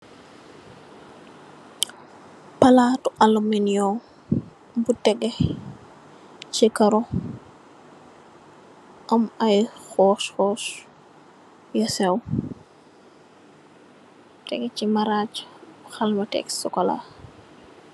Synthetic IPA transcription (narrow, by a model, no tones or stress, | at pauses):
pɐlatuʔɐluminjɔ | butɛɡe | t͡ʃikɐɾɔ | ɐmɐjxɔːsxɔs | jɐsɛw | tɛɡɛcimaɾaːt͡ʃxɐlmɐtɛ̰ksɔkɔla̰